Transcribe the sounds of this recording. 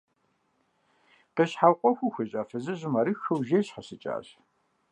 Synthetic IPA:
qeɕħawqʷʼɔxʷʊxʷɐɕʼaːfɐzɨʑɪmɐɾɨxɐwʒejɕħɐsɨt͡ʃʼa̰ːɕ

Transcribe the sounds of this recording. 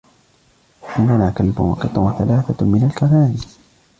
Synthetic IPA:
ʔɪnːanaːkalbʊ̰nwɑ̰qɨt̪ˤːʊwaθalaːθamɪnalkaɾˤaːn

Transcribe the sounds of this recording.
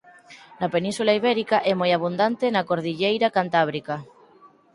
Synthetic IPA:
napenĩnsulaiβ̞ɛɾikaʔɛmojaβ̞und̪ant̪enakoɾðiʎejɾakant̪aβ̞ɾika

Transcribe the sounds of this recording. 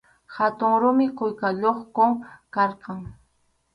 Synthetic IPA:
hat̪ʊŋɾʊmɪkʊjkaʎoχkoŋkɑɾqɑŋ

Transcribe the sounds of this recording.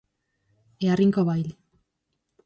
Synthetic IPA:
eariŋkoβajl

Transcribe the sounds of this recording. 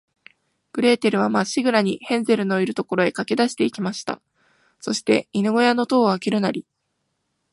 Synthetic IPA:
b̥ɯ̟ɾe̞ːt̪e̞ɾɯ̟β̞amaɕiɡɯ̟ɾaɲ̟ihẽ̞nd͡ze̞ɾɯ̟no̞iɾɯ̟t̪o̞ko̞ɾo̞e̞kake̞d̪aɕi̥t̪e̞ikʲimaɕi̥t̪a̰ | so̞ɕi̥t̪e̞inɯ̟ɡo̞jano̞t̪o̞ːβakʲiɾɯ̟naɾʲi

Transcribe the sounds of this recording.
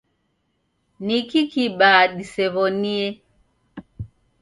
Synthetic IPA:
nikikiɓaɗisɛβɔniɛ

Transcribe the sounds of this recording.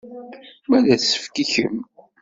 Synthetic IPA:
mæðæθsə̥fkiçəm

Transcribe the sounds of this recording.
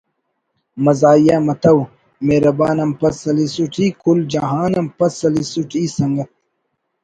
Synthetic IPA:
mɐzaːjamɐt̪ɐw | meːɾɐbaːnɐmpɐsɐlisuʈʰiːkʰuld͡ʒɐɦaːnɐmpɐsɐlisuʈʰiːsɐŋɡɐt̪̚

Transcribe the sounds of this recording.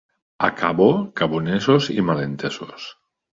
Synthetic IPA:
a̰kʰaβokaβonesozḭmalent̪eso̰s

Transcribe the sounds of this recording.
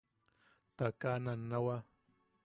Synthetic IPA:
t̪akananːawa

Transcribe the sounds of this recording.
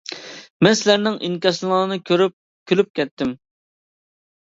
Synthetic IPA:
mɛnsɪlæɾnɪŋʔiŋkʲɑsŋɑːnɨkʰʲøɾyp̚ | kʲʰølyp̚kʲɛt̪ʰːɪm

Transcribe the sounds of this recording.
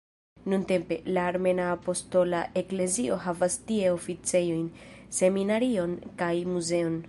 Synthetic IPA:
nunte̞mpe̞laːɾme̞naːpo̞sto̞laʔe̞kle̞zio̞ɦavastie̞o̞fit͡se̞jo̞jnse̞minaɾio̞nkajmuze̞o̞n

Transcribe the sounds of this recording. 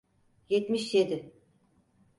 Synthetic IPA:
jet̪miʃjed̪ɪ

